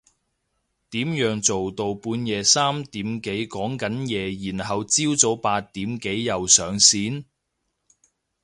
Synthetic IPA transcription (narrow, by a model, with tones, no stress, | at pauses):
t̪iː˨˥mjœː˨˧ŋt͡so˨wt̪o˨˧wpuː˨˧njɛː˨˧saː˥mt̪iː˨˥mke˨˥jkɔː˨˥ŋkɐ˨˥njɛː˨˧jiː˨˩nɦɐ˨wt͡siː˥wt͡so˨˥wpaː˧t̚t̪iː˨˥mke˨˥jːɐ˨wsœː˨˧ŋsiː˨˥n